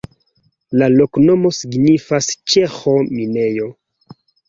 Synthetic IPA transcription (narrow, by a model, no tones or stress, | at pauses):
lalo̞kno̞mo̞siɡnifast͡ʃexo̞mine̞jo̞